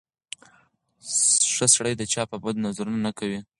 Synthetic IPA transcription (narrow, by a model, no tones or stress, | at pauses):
ʂəsɽəjd̪ət͡ʃɑpəbad̪nazaɾunanakawi